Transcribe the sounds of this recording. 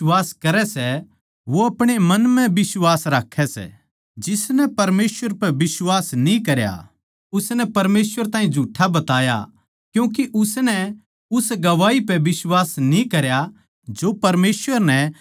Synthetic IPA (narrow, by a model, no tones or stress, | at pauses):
waːskɐɾɛsɛ | ʋoɐpɽ̃emɐnmɛ̃bɪswaːsɾaːkʰːɛsɛ̰ | d͡ʒɪsnɛpɐɾmeːsʋəɾpɛbɪswaːsnĩkɐɾja̰ | ʊsnɛpɐɾmeːsʋəɾt̪ãːĩd͡ʒʱuːʈʰabɐt̪aːja̰ | kjũːk̬iʔʊsnɛ | ʊsɡɐʋaːipɛbɪswaːsnĩkɐɾja | d͡ʒopɐɾmeːsʋəɾnɛ